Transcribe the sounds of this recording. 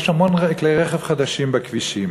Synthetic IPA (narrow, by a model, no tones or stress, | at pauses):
ʃamɔnʁɛkleʁɛχɛvχad̪aʃimbakviʃim